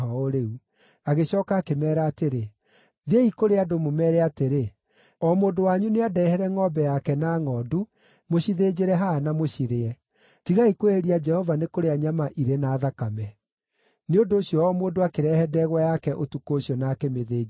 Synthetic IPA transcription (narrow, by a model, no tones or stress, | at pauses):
ɦɔoɾeu | aɣeɕɔːkaːkemɛːɾaːteɾe | ðeikoɾeadomomɛːɾɛateɾe | ɔmoːndowaɲuneadɛhɛɾɛŋɔbɛjakɛnaːŋɔːdu | moɕiðed͡ʑeɾɛɦaːnamoɕiɾeɛ | tiɣaikweɾiad͡ʒɛhɔvanekoɾeaɲamaʔiɾenaːðakamɛ | neondoːɕijɔɔmoːndoakeɾɛhɛdɛɣwajakɛʔotukoːɕjɔnakɛmeðeː